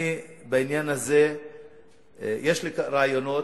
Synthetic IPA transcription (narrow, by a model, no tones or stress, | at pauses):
ibainjanaze̞ | jeʃlikɾaajono̞